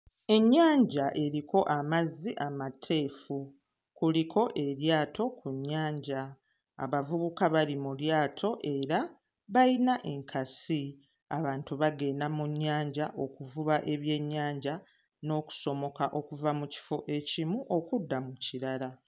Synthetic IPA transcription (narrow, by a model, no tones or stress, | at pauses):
e̞ɲːaːɲɟaʔe̞ɾiko̞ʔamazːiʔamatʰe̞ːfu | kulikʰo̞ʔe̞ɾjaːtʰo̞kʰuɲːaːɲɟa̰ː | βavuβukaβalimuljaːtʰo̞ʔe̞ɾa | βainaʔe̞ŋkʰasi | a̰βaːntuβaɡe̞ːnamuɲːaːɲɟaʔo̞kuvuβaʔe̞βje̞ɲːaːɲɟa | no̞ːku̥so̞mo̞kaʔo̞kuvamuci̥fo̞ʔe̞cimuʔo̞kudːamuciɾala